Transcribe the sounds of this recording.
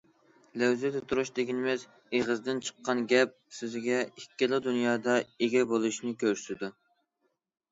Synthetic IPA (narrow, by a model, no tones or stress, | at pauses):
læwzɛt̪ɛt̪ʰuɾuʃd̪eɡʲinɪmɪz | eʁəzd̪ɪnt͡ʃʰə̥qːɑnɡʲɛp̚syzɪɡʲɛikʲːɪlˠɨd̪unjɑːd̪ɑeɡʲɛbolˠuʃnɪkʲʰøɾsɪd̪u